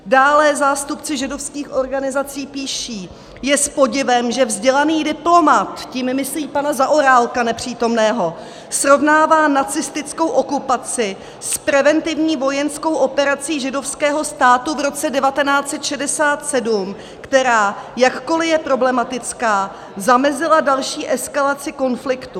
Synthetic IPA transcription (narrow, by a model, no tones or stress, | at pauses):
daːlɛzaːst̪upt͡sɪʒɪdo̞fskiːxʔo̞ɾɡanɪzat͡siːpiːʃiː | jɛspo̞ɟɪvɛmʒɛvzɟɛlaniːdɪplo̞mat̪cimmɪsliːpanazaʔoɾaːlkanɛpr̝̥iːt̪o̞mnɛːɦo̞ | sɾo̞vnaːvaːnat͡sɪst̪ɪt͡sko̞wʔo̞kupat͡sɪ | spɾɛvɛnt̪ɪvɲiːvo̞jɛnsko̞wʔo̞pɛɾat͡siːʒɪdo̞fskɛːɦo̞st̪aːt̪uvɾo̞t͡sɛdɛvat̪ɛnaːt͡sɛt̪ʃɛdɛsaːt̪sɛdum | kt̪ɛɾaːjakko̞lɪjɛpɾo̞blɛmat̪ɪt͡skaː | zamɛzɪladalʃiːʔɛskalat͡sɪko̞nflɪkt̪u